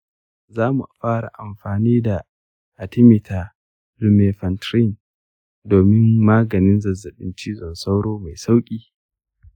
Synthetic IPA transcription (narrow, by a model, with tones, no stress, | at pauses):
zaː˦mu˨ʔa˨ɸaː˦ɽa̰˨ʔa˨mɸaː˨niː˦da˨ | ʔa˨tɪ˦mɪ˨tʰa˨ | lu˦meː˨ɸɐ˨ntɾi˦˨n | doː˨mɪ˦mːaː˦ɡɐ˨nɪ˦nzɐ˨zɐ˨ɗɪ˦nt͡ʃiː˦zɔ˨nsa˦wɽoː˦ma˨jsa˦wkʲʼiː˦